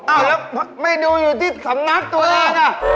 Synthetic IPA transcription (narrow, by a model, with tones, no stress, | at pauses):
ʔaː˧˩wlɛː˦˥ma˥˩jduː˧juː˨˩t̪ʰiː˥˩sa˩˦ŋna˦˥t̪̚t̪u˧əlɛː˥˧˩kʰa˥˩